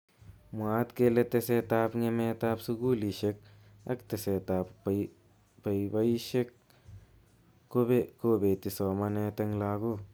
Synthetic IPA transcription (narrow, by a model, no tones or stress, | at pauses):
mwaːt̪kelet̪eset̪aːpŋemet̪aːpsuɡuːliʃek̚ | ɐ̰kt̪eset̪aːp | pɐiwɐiʃek̚ | obekobet̪isɔːmɐnet̪ɐŋlaːɡo